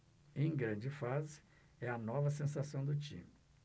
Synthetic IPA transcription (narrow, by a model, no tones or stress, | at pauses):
ẽj̃ɡɾɐ̃d͡ʒɪfazɪ̥ | ɛɐnɔvɐsẽsasɐ̃w̃d̪ʊt͡ʃḭ̃mi